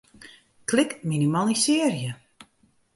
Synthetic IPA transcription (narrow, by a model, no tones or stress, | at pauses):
klɪkminimalˠisɪːrjə